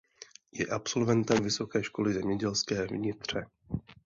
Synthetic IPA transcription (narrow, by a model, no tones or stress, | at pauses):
jɛ̰ʔapso̞lvɛnt̪ɛmvɪso̞kɛːʃko̞lɪzɛmɲɛɟɛlskɛːvɲɪt̪r̝̥ɛ